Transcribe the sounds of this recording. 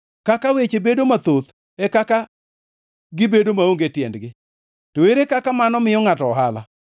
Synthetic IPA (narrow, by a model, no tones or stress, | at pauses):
kakawet͡ʃebedomat̪ot̪ | ɛkaka | ɡɪbedomaoŋɡetjɛndɡɪ | toeɾekakamanɔmɪjɔŋatɔːɦala̰